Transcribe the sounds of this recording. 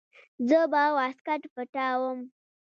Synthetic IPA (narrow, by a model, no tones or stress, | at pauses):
zəbawaskaʈpəʈawəm